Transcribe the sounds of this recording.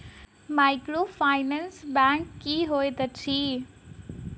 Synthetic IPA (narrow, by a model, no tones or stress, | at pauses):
maːɪkɽoːfaːɪnɛnsbɛ̃ːŋkːiːɦoːet̪ɐt͡ɕʰiː